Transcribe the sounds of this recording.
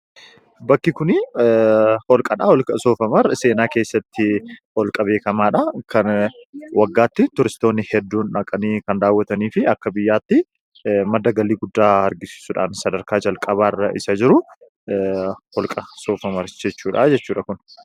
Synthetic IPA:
bɐkːɪkʊnɪ | hɔlkʼɐᶑɐhɔlkʼɐso̞ːfɐmɐɾse̞ːnaːke̞ːsːɐt̪ːɪhɔlkʼɐbe̞ːkɐmaːᶑɐkɐnwɐɡːaːt̪ːɪt̪ʊɾɪst̪o̞ːnːɪhɛd̪ːuːnᶑɐkʼɐniːkɐnd̪aːwːɐt̪ɐniːfɪɐkːɐbɪjːaːt̪ːɪ | mɐd̪ːɐɡɐlːiːɡʊd̪ːaːɐɾɡɪsɪ̥sʊᶑa̰ːnsɐd̪ɐɾkaːd͡ʒɐlkʼɐβaːrːɐʔɪsɐd͡ʒɪɾʊ | hɔlkʼɐso̞ːfɐmɐɾd͡ʒɛt͡ʃːuːᶑɐd͡ʒɛt͡ʃːuːᶑɐkʊn

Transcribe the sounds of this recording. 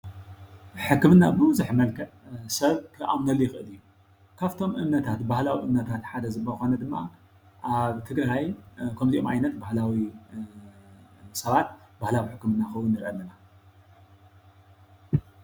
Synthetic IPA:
ħɨkːɨmɨnːabɨmɨzuħmɐlkʰɐʔsɐβkʰɨʔa̰mnɐlːujɪxɨʔɨ̰lɨjːu | kʰaβt̪ʰo̞mʔɨmnɐt̪ʰat̪bahlawiʔɨmnɐt̪ʰat̪ħad̪ɐzɨbːɐxonɐd̪ɨmːa̰ | ʔaβt̪ʰɨɡɾajkʰɐmt̪iomʔa̰jnɐt̪bahlawi | sɐβat̪bahlawiħɨkːɨmɨnːaxɐwunːɨɾʔɐlːɐna

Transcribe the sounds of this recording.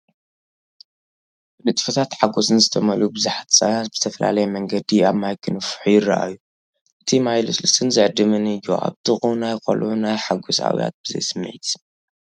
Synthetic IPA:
nɨt̪ʼfɐt̪ʰat̪ħaɡo̞sɨnzɨt̪ʰɐmɐlubɨzaħat̪ʰsajant̪bɨz̥ɨt̪ʰɐfɐla̰lɐjɛmɐŋɡɐd̪iaβmajkʰɨnɨfħujɪrɐ̰ʔa̰jːu | ʔɨt̪ʰimajlosɨlɐst̪ʰɨnzɨʕɨd̪ːɨmɨnɨjo̰a̰βt̪ʰɨxʼunajkʰʼo̰lʔunajħaɡosa̰wḭja̰t̪̚b̥ɨzɐ̰jsɨm̰ːʕit̪

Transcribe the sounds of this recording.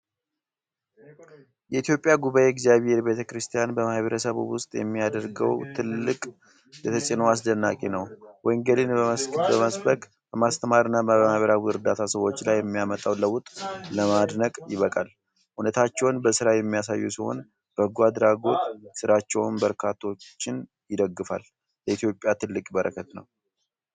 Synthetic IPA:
jɛʔit̪jo̞pʼjaɡuβajeɛɡzijaβhe̞ɾbe̞t̪ʰəkɾɨst̪ʰijanbəmahβəɾəsəβwʊst̪ʼjɛ̰mːijad̪əɾɡə̰wt̪ʰɨlːɨkʼ | jɛt̪ʰət͡ʃʼinoas̬d̪ənːakʼenəwwɔjŋɡəlinbəməskɨt̪bəməsbəkʼ | bəmast̪ʰəmaɾɨnːabəmahβəɾawɨɾd̪at̪ʰasəwo̞t͡ʃːlajːɛmːijamət̪ʼawləwʊt̪ʼləmad̪nəkʼjɪβəkʼal | hunət̪ʰat͡ʃːɛwnbəsɨɾajɛmːijas̬ajːusiho̞̰n | b̥əɡuad̪ɾaɡo̞t̪ʼsɨɾat͡ʃːɛwmbəɾkʰat̪ʰːo̞t͡ʃːɪn | jɪd̪əɡːɨfal | jɛit̪jo̞pʼːjat̪ʰɨlːɨkʼbəɾʔəkʰət̪nəw

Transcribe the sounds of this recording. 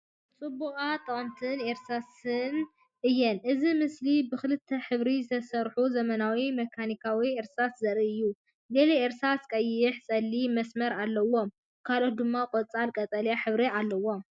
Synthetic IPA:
t͡sʼɨbukʼat̪ʼɐχʼmt̪ʰɨneɾsasɨn | ʔɨjːɛnʔɨzimɨslibɨxɨlɨt̪ʰːɐħɨβɾizɨt̪ʰɐsɐɾħuzɐmɐnawimɐkʰanikʰawieɾsaszɐɾiɨjːu | deleeɾsaskʼɐjːɪħsʼɐlːimɐsmɐɾalːɐwo̞m | kʰalo̞t̪̚d̪ɨmːakʼot͡sʼalkʼɐt͡s̪ʼɐljaħɨβɾialːɐwo̞m

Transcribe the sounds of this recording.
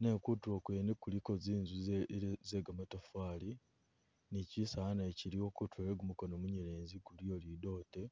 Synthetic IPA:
nekutuwokweːnekulikoziːnzuzeɡamatofaːli | nicisaanaeciɾio̞kutʰweɾeɡumukonomuɲeɾeːnziɡuliolido̞ːte

